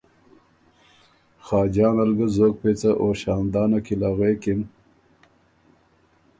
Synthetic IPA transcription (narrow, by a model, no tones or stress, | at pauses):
xɑːd͡ʑɑːnɐlɡɐzoːk̚pet͡sɐʔoːɕɑːnd̪ɑːnɐkilaɣeːkim